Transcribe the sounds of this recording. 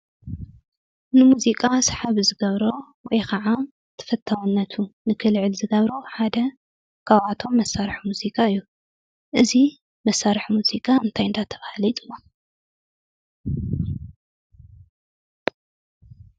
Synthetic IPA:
nɨmuzikʼasħaβzɨɡɐβɾo | wɔjkɐʕa | t̪ʰɐ̥fɐt̪ʰːawnːɐt̪ʰunɨkʰɨlʕɨlzɨɡɐβɾoħad̪ɐ | kʰaβat̪ʰo̞mːɐsaɾħmuzikʼaɨjːu | ʔɨzi | mɐsːaɾħmuzikʼaɨnt̪ʰajɨnd̪at̪ʰɐβahlit̪ʼɨlːo

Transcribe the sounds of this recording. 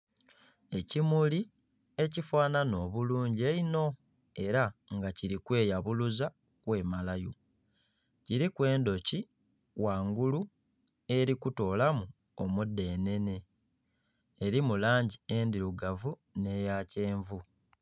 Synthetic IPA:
e̞cimuli | e̞cifwaːnano̞ːβuluːɲɟe̞ino̞ | e̞ɾaŋɡaciɾikwe̞ːjaβuluza | kwe̞ːmalajo | ciɾikwe̞ːndo̞ci | waːŋɡulu | e̞ɾikuto̞ːlamu | omude̞ːne̞ne̞ | ɾimulaːɲɟie̞ːndiɾuɡavu | ne̞jace̞ːɱvu

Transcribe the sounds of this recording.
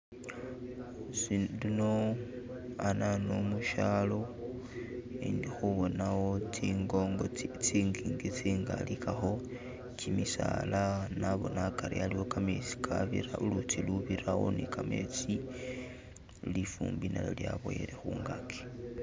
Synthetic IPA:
slino̞ | ananomuʃalo̞ | indixuβo̞nawoiŋɡoŋɡot͡siŋɡiŋɡit͡siːŋɡa̰likaxo̞ | cimisa̰lanaβo̞̰nakaɾialiwo̞kamesi̥kʰaβḭɾaʔulutʰiluβiɾawo̰nikʰamet͡si | lifṵːmbina̰lo̰ljaβo̰jḛɾexuŋɡakʰe̥

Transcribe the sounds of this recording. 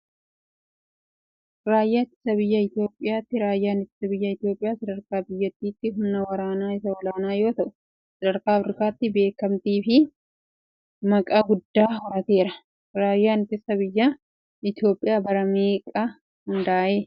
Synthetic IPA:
ɾaːjːaːt̪ːɪ̥sɐbɪjːɐɪt̪ɪjo̞ːpʼːɪjaːt̪ːɪɾaːjːaːnɪt̪ːɪ̥sɐbɪjːɐɪt̪jo̞ːpʼɪjaːsɐd̪ɐɾkaːbɪjːɐt̪ːiːt̪ːɪɦʊmnɐwɐɾaːnaːɪsɐwɐlaːnaːjo̞ːt̪ɐʔʊ | sɐd̪ɐɾkaːɐfɪɾɪkaːt̪ːɪbe̞ːkɐmt̪iːfɪ | mɐkʼaːɡʊd̪ːaːɦɔɾɐt̪e̞ːɾɐ | ɾaːjːaːnɪt̪ːɪsɐbɪjːɐ | ɪt̪jo̞ːpʼːɪjaːbɐɾɐmeːkʼɐ | hʊnd̪aːʔeː

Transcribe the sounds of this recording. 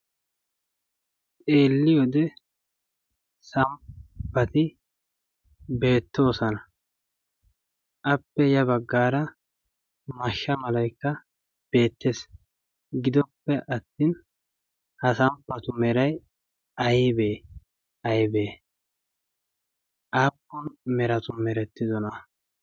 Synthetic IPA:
t͡sʼe̞ːlːɪjɔd̪ɛ | sɐmpːɐt̪ɪ | be̞ːt̪ːo̞ːsɔnɐ | ʔɐpːɛjɐbɐɡːaːɾɐ | mɐʃːɐmɐlɐjkːɐ | b̥e̞ːt̪ːes | ɡɪd̪ɔpːɛʔɐt̪ːiːn | hɐsɐmpːɐt̪ʊmɛɾɐj | ɐjbeː | ʔɐjbeː | ʔaːpːʊnmɛɾɐt̪ʊmɛɾɛt̪ːɪzɔnɐ

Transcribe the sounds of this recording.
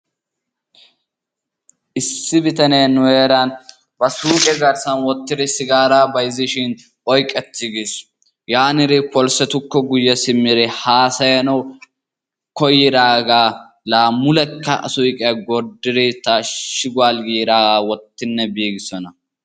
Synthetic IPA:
ʔɪsːɪbɪt̪ɐneːnːʊweːɾɐn | bɐsuːkʼɛɡɐɾsɐnwɔt̪ːɪd̪ɪsɪɡaːɾaːbɐjɪzɪʃɪn | ɔjkʼːɛt̪ːɪɡɪs | jaːnɪɾɪpɔlsɛt̪ʊkːɔɡʊjːɛsɪmːɪɾɛhaːsɐjɐnɐw | kɔjːɪd̪aːɡaː | laːmːʊlɛkːɐɐ̰sʊjkʼɛɐɡɔɾd̪ːɪɾɛt̪ːaʃɪɡʊaːlɡiːd̪aːɡaːwɔt̪ːɪnːɛbiːɡɪsɔnɐ

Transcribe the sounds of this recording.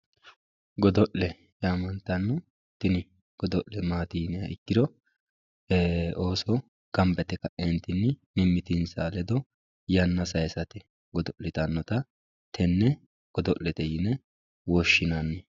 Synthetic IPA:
ɡɔd̪ɔʔlːɛ | jaːmɐnt̪ɐnːɔ | t̪ɪnɪ | ɡ̥ɔd̪ɔʔlɛmaːt̪iːnɪjɐ̰ʔɪkːɪd̪ɔ | oːsɔ | ɡ̥ɐmbɛt̪ɛkɐʔɛnt̪ɪnːɪmɪmːɪt̪ɪnsaːlɛd̪ɔ | jɐnːɐsɐjsɐt̪ɛ | ɡɔd̪ɔʔlɪt̪ɐnːɔt̪ɐ | t̪ʰɛnːɛ | ɡ̥ɔd̪ɔʔlːɛt̪ɛjɪnɛ | wɔʃːɪnanːɛ

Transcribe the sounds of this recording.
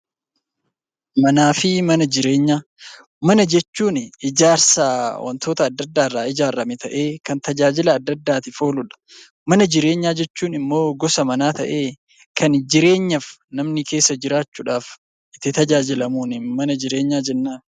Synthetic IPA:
mɐnaːfɪmɐnɐd͡ʒɪɾe̞ːɲːaː | mɐnɐd͡ʒɛt͡ʃːuːnɪɪd͡ʒaːɾsaːwʔɐ̰nt̪o̞ːt̪ɐːd̪ːɐd̪ːaːɪrːaːɪd͡ʒaːrːɐmɪt̪ɐʔe̞ːkɐnt̪ɐd͡ʒaːd͡ʒɪlɐːd̪ːɐd̪ːaːt̪ɪfo̞ːlʊᶑɐ̥ | mɐnɐd͡ʒɪɾe̞ːɲːaːd͡ʒɛt͡ʃːuːnɪmːo̞ːɡɔsɐmɐnaːt̪ɐ̰ʔe̞ː | kʰɐnd͡ʒɪɾe̞ːɲːɐfnɐmnɪkʰe̞ːsːɐd͡ʒɪɾaːt͡ʃːuːᶑaːf | ɪt̪ːɪt̪ɐd͡ʒaːd͡ʒɪlɐmuːnɪmɐnɐd͡ʒɪɾe̞ːɲːaːd͡ʒɛnːaːn

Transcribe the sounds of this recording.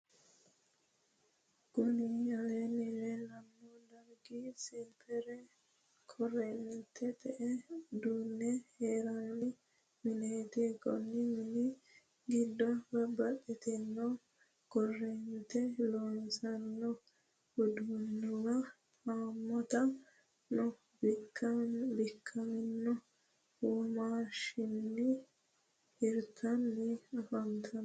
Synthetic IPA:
ɡonijalɛniɾɛnanːɔdaɾɡisɛmpʰɛɾɛ | kʰɔrɛnt̪ʰɛt̪ɛʔɛdunːɛhɛɾanni | minet̪ikɔ̰nːimini | ɡidːɔbabaɗit̪inːɔ | ɡ̥ɔrːɛnt̪ɛloːnsɐnːɔ | hʊd̪unːɪwɐ | aːmːɔt̪ɐ | nɔ | kːbɪkʰːɐmɪnːɔ | uːmaːʃɪnːɪ | hɪɾt̪ʰɐnːɪɐfɐnt̪ʰɐn

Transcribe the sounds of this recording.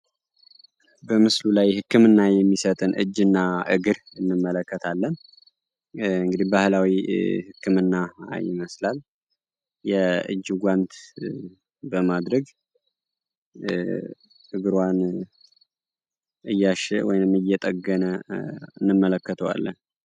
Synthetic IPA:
bəmɨslulajhɨkːɨmɨnːajɛmːisət̪ʼɨnʔɨ̰d͡ʒːɨnːaʔɨɡɨɾ | ɨnːɨmːələkːət̪ʰalːən | ɨŋɡɨd̪ihbahlawihɨkʰːɨmɨnːa̰jɪ̰məslal | jɛɨ̰d͡ʒːuɡʷant̪ | bəmad̪ɾəɡ | ʔɨɡɨɾwan | ɨjːaʃɛ̰wɔjnɨmɨjːɛt̪ʼəɡːənəɨnːɨmːələkːət̪ʰəwa̰lːə̰n

